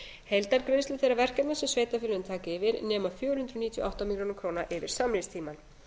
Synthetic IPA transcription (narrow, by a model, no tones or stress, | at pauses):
hejlt̪aɾkɾenslʏθejɾavɛr̥cap̪nasʏsveːjt̪afɪlʏʏnt̪ʰaːcɪɪvɪɾnɛːmaðfjɔːɾʏhʏnt̪ɾʏniːt̪jʏ̰ʔawht̪amilɾoːnʏkʰɾoːwnaʔɪvɪɾ̥saːmɾɪst̪ʰiːman